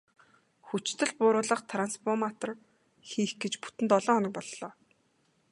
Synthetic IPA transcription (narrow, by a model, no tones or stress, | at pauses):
xut͡ɕt̪ʰɘ̆ɮpʊːɾʊːɮə̆qt̪ʰranspʰɔrmat̪ə̆r | xiːxɡet͡ɕpu̥t̪ɘ̆nt̪ɔɮɔːɔnə̆k̚pɔɮːɔː